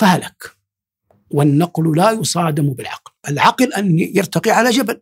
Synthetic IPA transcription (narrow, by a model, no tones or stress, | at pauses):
fahalak | wanːɑqllajʊsˤɑːd̪ɪmbɪlʕɑ̰qlʔalʕɑqlʔanjɪɾt̪ɑqiʕalad͡ʒabal